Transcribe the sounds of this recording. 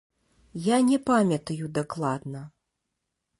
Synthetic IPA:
janʲɛpamʲɐt̪ɐjud̪aklˠad̪nɐ

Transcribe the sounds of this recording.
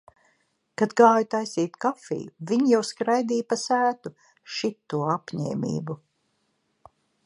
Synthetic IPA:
kad̪ɡaːjut̪ajsiːt̪kafḭːjuviɲjawskɾajd̪iːjpasæːt̪u | ʃit̪ːuɔapɲɛ̰ːmḭːbu

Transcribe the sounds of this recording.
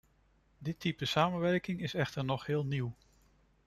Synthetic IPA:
dɪtipəsaːmənʋɛɹkɪŋɪsɛχtəɹnɔχɦɪːlˠniw

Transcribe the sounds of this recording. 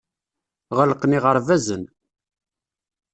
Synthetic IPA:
ʁələqniʁəɾˤvæzən

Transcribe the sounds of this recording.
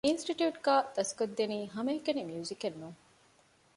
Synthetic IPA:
insʈiʈjuːʈɡaːd̪ɐskod̪ːeniːɦɐmɐːkɐnemjuːzikenːuŋ

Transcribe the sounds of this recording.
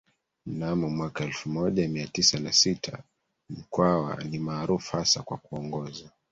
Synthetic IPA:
m̩namɔmwakaɛlfumɔʄamiatisanasitʰa̰ | m̩kwawa̰nimaːɾufu̥hasakwakuɔŋɡɔza

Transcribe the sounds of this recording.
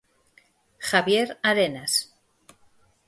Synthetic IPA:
xaβje̞ɾaɾenas

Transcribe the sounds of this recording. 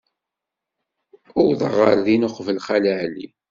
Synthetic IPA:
ʊɾðəʁəɾðinʊχvəlχælæʕli

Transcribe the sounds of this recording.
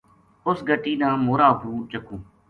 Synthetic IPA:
ʊsɡəʈiːnãːmoːɾaːɦũːt͡ʃəkʰũː

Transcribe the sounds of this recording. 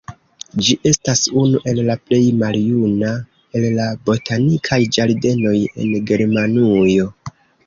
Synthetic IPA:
d͡ʒiʔe̞stasunuʔe̞llaple̞jmaljuna | e̞llabo̞tanikʰajd͡ʒaɾde̞no̞je̞̰nɡe̞ɾmanujo̞

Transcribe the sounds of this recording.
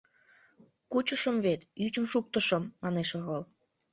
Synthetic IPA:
kut͡ɕəʃəmβet̪yt͡ɕəmʃuk̚t̪əʃə̆mːɑneʃɤɣəl

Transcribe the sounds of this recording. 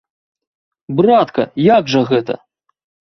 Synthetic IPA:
brat̪kɐ̰jaɡʐɐɣɛt̪ɐ̰

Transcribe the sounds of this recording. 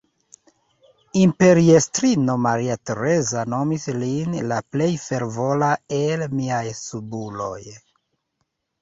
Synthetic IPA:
impe̞ɾiestɾino̞maɾiate̞ɾe̞zano̞mislinlaple̞jfe̞ɾvo̞lae̞lmiajsubulo̞̰j

